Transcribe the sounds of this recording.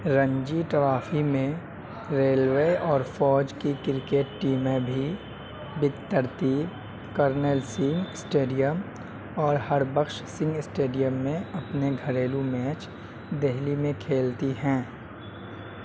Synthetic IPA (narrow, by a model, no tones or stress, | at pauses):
ɾə̃ɲd͡ʒiʈɾaːfʰimẽ | ɾeːlʋeːɔːɾfɔːd͡ʒkikɪɾkeːʈːiːmẽbʱi | bɪt̪ːəɾt̪i | kəɾnɛlsɪ̃ŋɡɪsʈeːɖijəm | ɔːɾhɐɾbəkʃsɪ̃ŋɡɪsʈeːɖijəmːẽɐpneɡʱɐɾeːlumɛːt͡ʃ | d̪eɦlimẽkʰeːlt̪iɦɛ̃ː